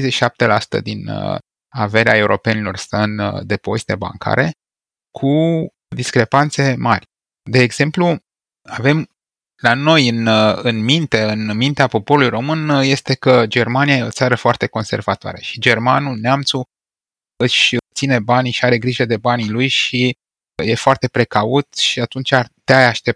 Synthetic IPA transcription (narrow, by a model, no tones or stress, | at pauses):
ejzeʃi̥ʃap̚t̪e̞lasu̥t̪ə̰d̪in | ave̞ɾeae̞uɾʔo̞pe̞nilo̞rsəɨnd̪e̞po̞zit̪e̞ba̰ŋkʰa̰ɾe̞ | kʰu | d̪iskɾe̞pant̪se̞marʲ | d̪e̞ːɡz̥e̞mplu | ave̞m | lano̞jɨnɨnmint̪e̞ɨnmint̪eapo̞po̞ɾulujro̞mɨnje̞st̪e̞kəd͡ʒe̞rmaniaje̞o̞̰t̪saɾəfoart̪e̞ko̞nse̞̰rvat̪oa̰ɾəʃi̥d͡ʒe̞rmanuneamt̪su | ɨʃʲt̪sine̞banʃiaɾe̞ɡɾiʒəd̪e̞banilujʃi | je̞foart̪e̞pɾe̞kaut̪ʃiat̪unt͡ʃart̪eajaʃt̪e̞p̚